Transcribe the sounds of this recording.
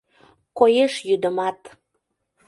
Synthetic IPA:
kojeʃjyd̪əmɑt̪

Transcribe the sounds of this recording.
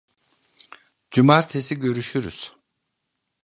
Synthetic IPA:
d͡ʒumaɾt̪ʰesiɟø̞ɾyʃyɾy̰z̥

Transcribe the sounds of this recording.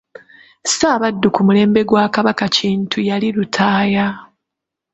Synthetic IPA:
saːβadːukumule̞ːmbe̞ɡwaːkaβakaciːntʰujaliɾutʰaːja

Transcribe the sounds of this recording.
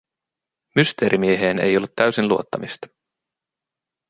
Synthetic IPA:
myst̪e̞ːɾʔimieɦeːne̞̰jo̞lːut̪ːæɥsinluot̪ːɑmist̪ɑ̥

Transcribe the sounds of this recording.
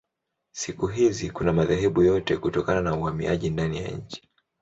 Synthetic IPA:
sikuɦizikunamaðɛɦɛɓujɔtɛkutɔkananauhamḭʔa̰ʄindanija̰ɲ̩t͡ʃi̥

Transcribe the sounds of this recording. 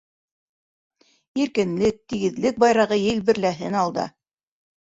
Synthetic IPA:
iɾkɘ̆nlɘk̚t̪iɡɘ̆ðlɘk̚bɑjɾɑʁɤjɘ̆lbɘ̆ɾlæɦɘnɑlˠd̪ɑ̰

